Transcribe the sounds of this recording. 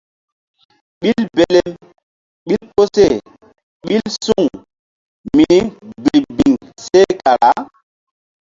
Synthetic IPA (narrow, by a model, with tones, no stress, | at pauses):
ɓi˦lbe˨lɛ˦m | ɓi˦lpo˦se˦˨ | ɓi˦lsu˦˨ŋ | mi˨i˦bi˨ɾbi˨ŋse˦ka˨ɾa˨˦